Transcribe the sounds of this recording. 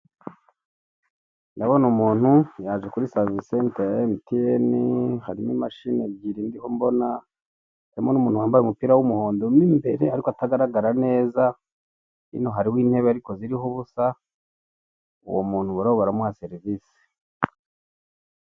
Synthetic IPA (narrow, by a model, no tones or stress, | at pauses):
naβo̞numuːn̥hujaʒekuɾisaːzisentemitijenihaɾimimaʃineβɡiɾiːndiho̞mbo̞na | aɾimonumuːnhuwaːmbajeumupiːɾawumuho̞ːndomimbe̞ɾe̞aɾikoataɡaɾaɡaɾane̞ːza | ḭnoɦaɾiwiːnhe̞βeaɾiko̞ziɾiɦoβusa | ṵwomuːn̥huβuɾoβaɾamuase̞ɾivisi̥